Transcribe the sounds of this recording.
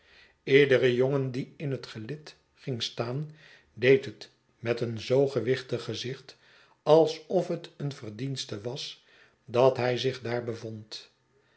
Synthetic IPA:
ɪːɹdərəjoŋəndiɪnɦətχəlɪt | χɪŋstaːn | dejtɦət | mɛtənzowχəʋɪχtəχəzɪχt | ɑlˠsɔfɦətənvərdinstəʋɑs | dɑtɦɛjzɪχdaːɹbəvɔnt

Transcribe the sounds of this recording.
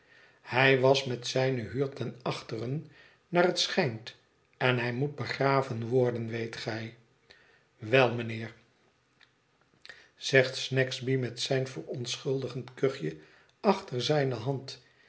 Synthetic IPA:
hɛjʋɑsmɛtsɛjnəɦyːɹtɛnɑχtərən | naːrətsχɛjnt | ɛnɦɛjmut̚bəχraːvənʋɔɹdənʋejtχɛj | ʋɛlˠmənɪːɹ | z̥ɛχtsnɛksbimɛtsɛjnvərɔnsχɵlˠdəχəntkøχjə | ɑχtəɹzɛjnəɦɑnt

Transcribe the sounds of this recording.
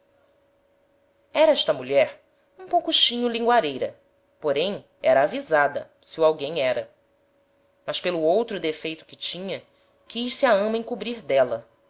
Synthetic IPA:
ɛɾɐɛʃt̪ɐmuʎɛɾ | ũpowkuʃĩɲʊlĩŋɡwaɾejɾɐ | poɾẽj̃ | ɛɾɐːvizad̪ɐ̰ | sɪuawɡẽj̃ɛɾɐ | mɐspelʊowt̪ɾʊd̪efejt̪ʊ̥kɪt͡ʃĩɲɐ | kʲiʃsiaɐ̃mɐẽkubɾiɾd̪ɛlɐ

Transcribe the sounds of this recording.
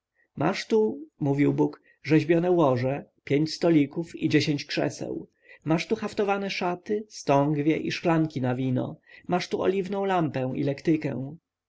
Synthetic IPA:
mʔa̰ʂt̪umuvʲiwbuk | ʐɛʑbʲjɔnɛwɔʐɛpʲjeɲt͡ɕst̪ɔlʲikufid͡ʑeɕeɲt͡ɕkʂɛ̰sɛ̰w | maʂt̪uxaft̪ɔvanɛʂat̪ɘst̪ɔŋɡvʲjɛʔḭʂklaŋkʲinavʲinɔ̰maʂt̪uɔ̰lʲivnɔ̃w̃lampɛ̃w̃ḭlɛkt̪ɘkɛ̰w̃

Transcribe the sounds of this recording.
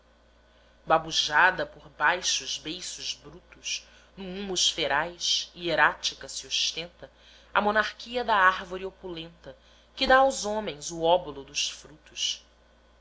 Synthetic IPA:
babuʒad̪ɐpoɾbajʃʊʒbejsʊʒbɾut̪uʃ | nũũmʊʃfeɾajʃieɾat͡ʃikɐsioʃt̪ẽnt̪ɐ | ɐ̰monaɾkiɐd̪ɐaɾvoɾiopulẽnt̪ɐ | kɪd̪aːwzõmẽj̃zuɔbulʊd̪ʊʃfɾut̪uʃ

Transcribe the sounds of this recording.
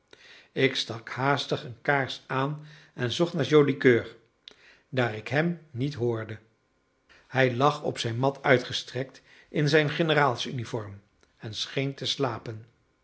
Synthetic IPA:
ɪkstɑkhaːstəχənkaːɹsaːn | ɛnzɔχnaːɹʒowdikøːɹ | daːrɪkɦɛmnitɦʊːɹdə | hɛjlɑχɔ̰psɛjnmɑtʰœɥtχəstrɛk̚t | ʔɪnzɛjnχɪnəraːlˠsynifɔɹm | ɛnsχejntəslaːpən

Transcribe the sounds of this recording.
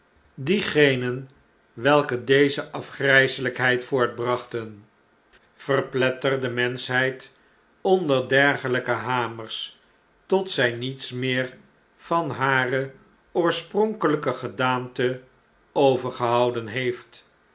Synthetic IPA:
diχejnən | ʋɛlˠkədejzəʔɑfχrɛjsələkɦɛjtfʊːɹd̚brɑχtən | v̥ərplɛtərdəmɛnsɦɛjt | ɔndəɹdɛɹχələkəɦaːmərs | tɔtsɛjnitsmɪːɹ | v̥ɑnɦaːrə | ʊːɹsprɔŋkələkəχədaːntə | owvəɹχəɦɑwdənɦejft

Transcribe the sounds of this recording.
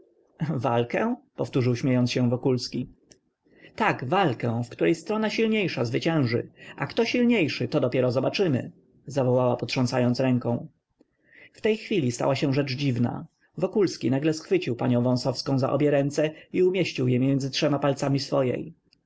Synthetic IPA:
valkɛ̃pɔft̪uʐɘwɕmʲjejɔnt̪sɕɛvɔkulskʲi | t̪aɡvalkɛ̃fkt̪uɾɛjst̪ɾɔnaɕilɲejʂazvɘt͡ɕɛ̃w̃ʐɘ̰ʔakt̪ɔɕilɲejʂɘt̪ɔd̪ɔpʲjɛɾɔzɔbat͡ʂɘmɘ̰ | zavɔwawapɔtʂɔ̃ntsajɔnt̪sɾɛŋkɔ̃w̃ | ft̪ɛjxfʲilʲist̪a̰waɕɛ̃ʐɛt͡ʂd͡ʑivna̰ | vɔkulskʲinaɡlɛsxfɘt͡ɕiwpaɲɔ̃w̃vɔ̃sɔfskɔ̃w̃za̰ʔɔ̰bʲjɛɾɛnt̪sɛiumʲjeɕt͡ɕiwjɛmjɛnd̪zɘtʂɛmapalt̪samʲisfɔjɛ̰j

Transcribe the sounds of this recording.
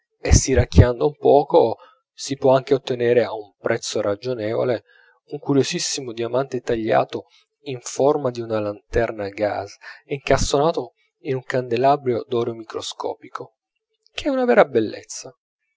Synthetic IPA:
esiɾakːjand̪oumpɔːko | sipwɔaŋk̟eot̪ːeneːɾeaumpɾʔɛt̪sːorʔad͡ʒonɛːvo̰le | uŋkuɾjozisːimod̪iamant̪et̪aʎːa̰ːt̪o | iɱformad̪iunalant̪ɛrnaɡa̰ziŋkast̪onaːt̪o | inuŋkand̪elabɾjod̪ɔːɾomikɾoskɔ̰ːpikʰo | k̟eɛunavɛːɾabelːḛt̪sːa

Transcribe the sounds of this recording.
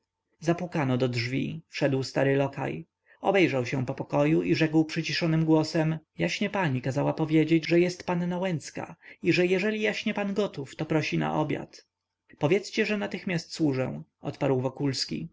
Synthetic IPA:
zapwukanɔd̪ɔdʐvʲḭfʂɛd̪wst̪aɾɘlɔka̰j | ɔbɛjʐawɕɛ̃pɔpɔkɔjuʔiʐɛkwpʂɘt͡ɕiʂɔnɘmɡwɔsɛmjaɕɲɛpaɲikazawapɔvʲjed͡ʑed͡ʑʐɛjɛst̪panːawɛnt̪ska̰iʐɛjɛʐɛlʲijaɕɲɛpanɡɔt̪uft̪ɔpɾɔɕina̰ʔɔbʲja̰t̪ | pɔvʲjɛt̪st͡ɕɛʐɛnat̪ɘxmʲjast̪swuʐɛ̰w̃ʔɔ̰t̪paɾwvɔkulskʲḭ

